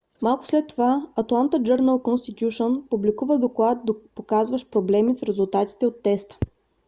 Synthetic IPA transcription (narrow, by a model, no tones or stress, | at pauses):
malˠkʊ̥slɛt̪ːovaɐt̪lˠant̪əd͡ʒəɾnəlˠkonst̪it̪ʲjuʃonpublikuvəd̪oklˠad̪̚d̪opokazvəʃpɾoblɛmisɾɛzulˠt̪at̪i̥t̪ɛot̪ːɛst̪ə̥